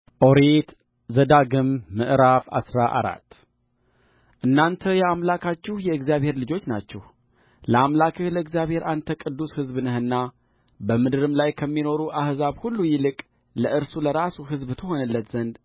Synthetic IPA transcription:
ʔo̞ɾet̪ | zəd̪aɡɨmːɨʔɾafa̰sɾaʔa̰ɾa̰t̪ː | ʔɨnːant̪ʰəjɛamlakʰat͡ʃːɪhjɛɨɡzjaβhe̞ɾlɨd͡ʒo̞t͡ʃːnat͡ʃːɛh | ləamlakʰɨhləɨɡzjaβhe̞ɾant̪ʰəkʼɨd̪ːushɨzbɨnɨhɨnːa | bəmɨd̪ɨɾɨmlajkʰəmːino̞ɾuʔahzaβhulːujɪlɨkʼ | ləʔɨɾsuləɾasuɦɨzbt̪ʰɨho̞nəlːət̪z̥ənd̪

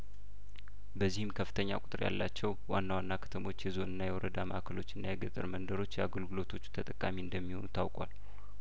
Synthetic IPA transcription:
bəzːihɨmkʰəfːɨ̥t̪ʰəɲːa̰kʼʊt̪ʼɨɾja̰lːat͡ʃːɛwwanːawanːakʰə̥t̪ʰəmo̞t͡ʃːjɛzo̞nɨnːajɛwɔɾəd̪aməhakʰəlo̞t͡ʃːɨnːajɛɡɨt̪ʼɨɾmənd̪əɾo̞t͡ʃːjɛaɡəlɡɨlo̞t̪ʰo̞t͡ʃːu̥t̪ʰət̪ʼəkʼːamiɨnd̪əmːiho̞nut̪ʰawkʼa̰l

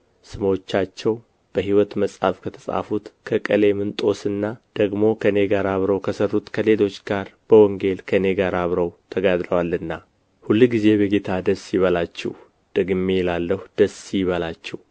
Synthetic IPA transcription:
sɨmo̞t͡ʃːat͡ʃːɛw | b̥əɦiwɔt̪məsʼa̰fkʰət̪ʰəsʼa̰fut̪kʰəkʼəle̞mɨnt̪ʼo̞sɨnːad̪̥əɡmo̞kʰəne̞ɡaɾaβɾəwkʰəsərːut̪kʰəle̞lo̞t͡ʃːɡaɾb̥əwɔŋɡe̞lkʰəne̞ɡaɾaβɾəwt̪ʰəɡad̪ɾəwalɨnːa | hulːɡize̞bəɡet̪ʰad̪əsjɪβəlat͡ʃːɛ̰h | d̪̥əɡɨmelalːəhud̪̥əsjɪβəlat͡ʃːɛw

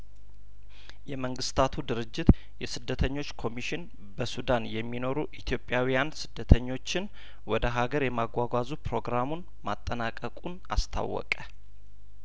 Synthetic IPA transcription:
jɛməŋɡɨst̪ʰat̪ʰud̪ɨɾɨd͡ʒːɪt̪ | jɛsɨd̪ːət̪ʰəɲːo̞t͡ʃːkʰo̞miʃɪn | bəsud̪anjɛmːino̞ɾuʔit̪ʰjo̞pʼːjawijansɨd̪ːət̪ʰəɲːo̞t͡ʃːɪn | wɔd̪əɦaɡəɾjɛmaɡʷwaɡʷazupɾo̞ɡɾamun | mat̪ʼːənakʼəkʼun | a̰st̪ʰa̰wːɔ̰kʼə

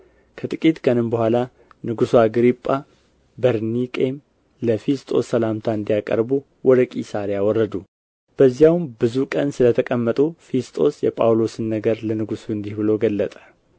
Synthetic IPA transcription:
kʰət̪ʼɨkʼit̪ʼkʰʼənɨmbəhʷala | nɨɡusuaɡɾipʼːa | bəɾnikʼe̞m | ləfest̪ʼo̞̰sːəlamt̪ʰaɨnd̪ijakʼə̰ɾbu | wʔɔd̪əkʼisaɾjawɔrːəd̪u | b̥əzːjawmbɨzukʼənsɨlət̪ʰəkʼəmːət̪ʼufest̪ʼo̞̰sjɛpʼawlo̞sɨnːəɡəɾlənɨɡusuɨnd̪ihbɨlo̞ɡəlːət̪ʼə̥

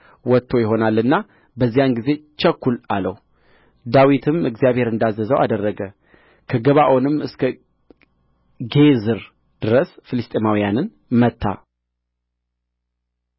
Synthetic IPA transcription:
wɔt̪ʰːo̞jɪɦo̞nalːɨnːa | bəzːijanɡize̞t͡ʃɛkːulalə̰h | d̪awit̪ʰɨmɨɡzijaβhe̞ɾɨnd̪azːəzəwʔa̰d̪ərːəɡə | kʰəɡəβaʔo̞nɨmɨskʰə | ɡe̞zɨɾ | d̪̥ɨɾəsfɨlɨst̪ʼemawijanɨn | mət̪ʰːa̰

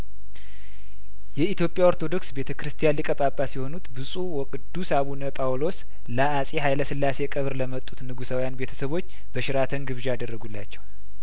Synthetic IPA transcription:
jɛit̪jo̞pʼːjawoɾt̪ʰo̞d̪o̞ksbe̞t̪ʰəkɨɾɨst̪ʰijanlikʼəpʼapʼːasiho̞nut̪bɨsʼuwɔkʼɨd̪ːusaβunəpʼawlo̞s | ləasʼeɦajləsɨlːase̞kʼəβɾləmət̪ʼːut̪nɨɡusawijanbe̞t̪ʰə̥səβo̞t͡ʃː | bəʃɪɾat̪ʰənɡɨβʒad̪ərːəɡulːat͡ʃːɛw

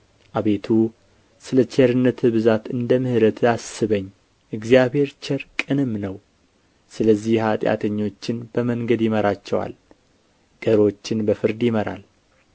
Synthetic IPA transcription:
ʔaβe̞t̪ʰu | sɨlət͡ʃʰeɾɨnːət̪ɨβɨzat̪ɨnd̪əmɨhɨɾət̪ʰasɨβəɲː | ʔɨɡzijaβhe̞ɾt͡ʃɛɾkʼɨnɨmːnəw | sɨləzːihhat̪ʼja̰t̪ʰəɲːo̞t͡ʃːɪnb̥əməŋɡəd̪jɪməɾat͡ʃːɛwa̰l | ɡ̥əɾo̞t͡ʃːɪnbəfɨɾd̪jɪməɾa̰l

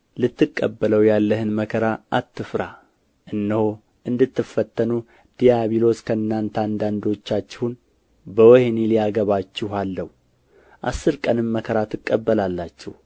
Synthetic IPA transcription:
lɨt̪ːɨkʼːə̰bːələwjalːəhɨnməkʰəɾaʔat̪ʰːɨfɾa | ʔɨnːəho | ʔɨnd̪ɨt̪ːɨfːət̪ʰːənu | d̪̥ijaβilo̞skʰəɨnːant̪ʰand̪and̪o̞t͡ʃːat͡ʃːɪhun | bəwɔhenilijaɡəβat͡ʃːɪhalːəhu | ʔa̰sːɨɾkʼənɨmːəkʰəɾat̪ɨkʼːəbːəlalːat͡ʃːɛ̰h

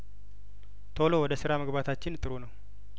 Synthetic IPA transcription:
t̪ʰo̞lowɔd̪əsɨɾaməɡbat̪ʰat͡ʃːɪnt̪ʼɨɾunəw

